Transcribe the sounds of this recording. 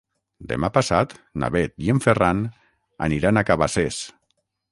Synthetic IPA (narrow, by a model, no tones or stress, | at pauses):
d̪ḛmapasat̪na̰βet̪jeɱferan | a̰niɾanakaβases